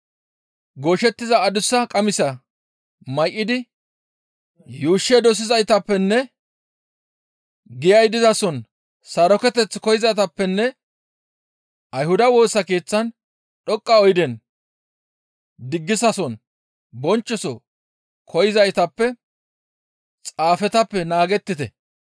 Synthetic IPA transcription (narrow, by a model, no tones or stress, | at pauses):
ɡoːʃɛt̪ːɪzɐːd̪ʊsːɐkʼɐmɪsɐ | mɐjʔʼːɪd̪ɪ | juːʃːɛd̪ɔs̬ɪzɐjt̪ɐpːɛnːɛ | ɡɪjɐjd̪ɪzɐsɔn | sɐɾɔkɛt̪ɛt͡sːɪkɔjɪzɐjt̪ɐpːɛnːɛ | ʔɐjhʊd̪ɐwo̞ːsːɐke̞ːt͡sːɐn | ɗɔkʼːɐɔjɪd̪ɛn | d̪ɪɡːɪsɐsɔn | bɔnt͡ʃːɔsɔ | kʰɔjɪzɐjt̪ɐpːɛ | t͡sʼaːfɛt̪ɐpːɛnaːɡɛt̪ːɪt̪ɛ̰